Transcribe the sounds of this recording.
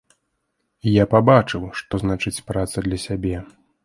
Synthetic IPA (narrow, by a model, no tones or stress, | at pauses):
ijapabat͡ʂɨwʂt̪ɔznat͡ʂɨt͡sʲpɾat̪sɐd̪lʲɐsʲabʲɛ